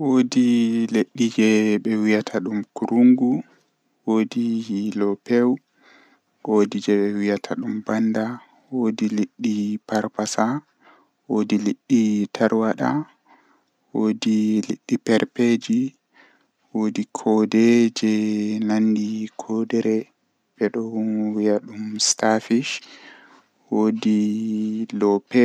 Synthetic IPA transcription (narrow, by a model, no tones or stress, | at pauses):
wodileɗːid͡ʒɛɓɛwijatʰaɗumkuɾuŋɡu | wodihilɔpɛw | ɡodid͡ʒɛɓɛwijatʰaɗumbanda | wodileɗːipaɾpasa | woːdileɗːitʰaɾwaɗa̰ | wodiliɗːipɛɾped͡ʒi | wodikʰɔdɛd͡ʒɛnanːdikʰɔdɛɾɛ | bɛɗɔwijaɗumstafiʃ | wodi | lɔpɛ